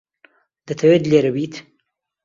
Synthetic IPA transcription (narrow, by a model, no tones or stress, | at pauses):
d̪ət̪ʰawed̪leɾawit̪